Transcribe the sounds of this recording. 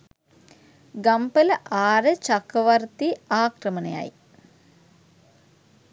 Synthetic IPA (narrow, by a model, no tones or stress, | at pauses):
ɡɐmpəlɐʔaːɾət͡ʃakəʋɐrt̪iaːkrəməneja̰j